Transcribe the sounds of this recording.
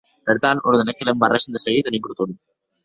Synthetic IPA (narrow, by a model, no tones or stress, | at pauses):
beɾt̪anoɾðenekelembareʃend̪eseɣit̪eniŋkuɾut̪unu